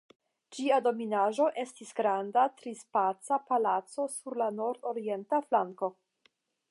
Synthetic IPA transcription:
d͡ʒiado̞minaʒo̞ʔe̞stisɡɾandatɾispat͡sapalat͡so̞suɾlano̞ɾdoɾie̞ntaflaŋko̞

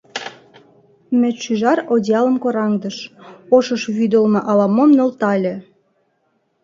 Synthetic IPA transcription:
mĕʃyʒɑrodʲiɑlə̆mkoɾɑŋd̪ə̆ʃoʃɤʃβyd̪əlmɤ̆ʔɑlɑmomnŏlt̪ɑlʲĕ

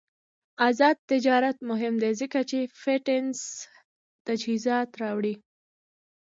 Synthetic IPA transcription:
azɑd̪̚t̪ɪd͡ʒɑɾat̪mʊɦɪmd̪ezəkat͡ʃefeʈɪnz | t̪ad͡ʒhizɑt̪ɾɑwɽi

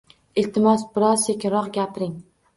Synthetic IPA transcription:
ɪlt̪ʰɪmɒsbɪɾɒzːekʲɪɾɒqɡʲapɾɪŋ

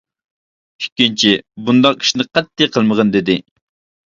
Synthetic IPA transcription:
y̥kʲːint͡ʃʰibund̪ɑq̚ʰʲi̥ʃinɪqɛt̪ːɪjqʰəlˠməʁənd̪ɪd̪ɪ

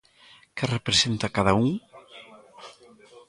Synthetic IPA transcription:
kerepɾesent̪ɐkaðauŋ

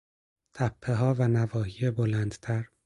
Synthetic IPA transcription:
t̪ʰæpʰːe̞ɦɒːvænævɒːhiːjebolænd̪̥t̪ʰæɾ

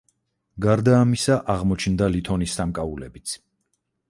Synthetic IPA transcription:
ɡaɾd̪aːmisaʔaʁmɔt͡ʃʰnd̪alit̪ʰɔnisːamkʼaulɛbit̪sʰ

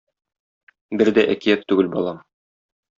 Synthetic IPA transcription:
bɘɾd̪æʔækijæt̪ːʉɡɘlbɒ̰lˠɑm

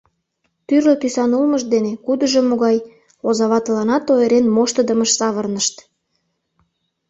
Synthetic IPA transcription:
t̪yrlek̪ysɑnulməʃd̪enekud̪əʒə̆mːoɣɑj | ozɑβɑt̪əlɑnɑt̪oeɾenmoʃt̪əd̪ə̆məʃsɑβərnəʃt̪

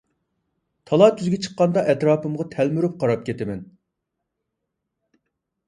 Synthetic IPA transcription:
t̪ʰɑlˠɑt̪ʰyzɡʲɛt͡ʃʰə̥qːɑnd̪ɑʔɛt̪ɾɑːpɨmʁɑt̪ʰælmyɾup̚qʰɑɾɑp̚kʲet̪ɪmɛn

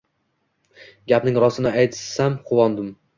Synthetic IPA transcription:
ɡʲapnɪŋɾɒsɪnɪajt̪samqʰʊwɒnd̪ɪm

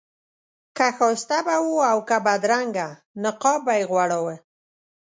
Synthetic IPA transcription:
kaxoʃt̪abawuawkabad̪ɾaŋɡa | nɪqɑbajɣwaɽowə

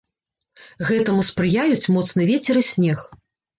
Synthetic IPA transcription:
ɣɛt̪ɐmuspɾɨjajut͡sʲmɔt̪snɨvʲet͡sʲɛɾɨsʲnʲɛx

